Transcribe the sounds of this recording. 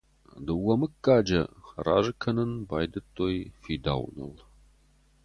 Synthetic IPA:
d̪ɨwɐmɨkʼːaːd͡ʒɐra̰ːʒɨkʰɐnɨnbaːjd̪ɨt̪ʰʼːoːjfiːd̪a̰ːwnɐ̰l

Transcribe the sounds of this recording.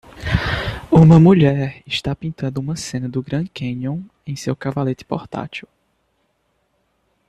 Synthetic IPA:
ũmɐmuʎɛɾɪʃt̪apĩnt̪ɐ̃nd̪ʊũmɐsẽnɐd̪ʊɡɾɐ̃kʰẽɲõw̃ | ẽj̃sewkavalet̪ɪ̥pɔɾt̪a̰t͡ʃiw

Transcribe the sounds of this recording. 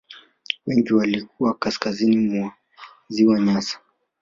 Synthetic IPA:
wɛŋɡiwalik̚uwakaskazinimua | ziwaɲasḁ

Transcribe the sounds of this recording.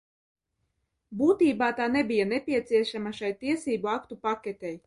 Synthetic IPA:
buːt̪iːbaːt̪aːnɛbijanɛpʲiɛt̪siɛʃamaʃajt̪iɛsiːbuakt̪upakʲet̪ʲɛj

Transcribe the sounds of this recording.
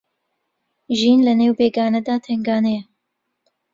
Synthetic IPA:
ʒiːnlɛneːwbeːɡaːnɛd̪aːt̪ʰɛŋɡɑːnɛjɛ

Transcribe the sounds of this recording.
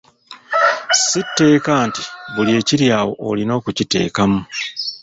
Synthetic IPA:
sitːe̞ːkaːnti̥βulie̞ːciɾjaːwo̞̰ʔːlino̞ːkucite̞̰ːkamu

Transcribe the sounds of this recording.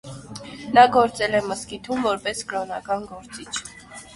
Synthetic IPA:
nɑɡɔɾt͡sɛlɛməskit̪ʰumvɔɾpɛskɾɔnɑkɑnɡɔɾt͡sit͡ʃʰ

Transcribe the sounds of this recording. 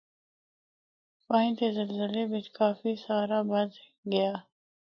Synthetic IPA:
paːĩnt̪ezəlzəlebɪt̪kaːfisaːɾabɐd̪ | ɡɐjaː

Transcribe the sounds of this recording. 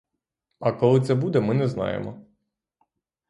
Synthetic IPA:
ɐkɔlˠɪt̪sɛbud̪ɛmɪnɛznɑ̰jḛmɔ

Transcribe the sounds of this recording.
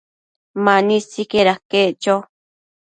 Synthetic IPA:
manisikeɾakeʔt͡ʃo

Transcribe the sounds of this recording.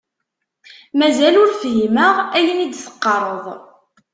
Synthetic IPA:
mæzælʊɾfɦiməʁæjənid̪sə̥qːɑɾˤəðˤ

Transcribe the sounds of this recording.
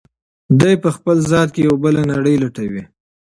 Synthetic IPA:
d̪ajpəxpəlzɑt̪̚kejawbəlanaɽəjlaʈawi

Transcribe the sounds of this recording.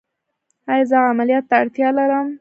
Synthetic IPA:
hajzɑɣaamalijɑt̪ːaaɽt̪jɑlaɾəm

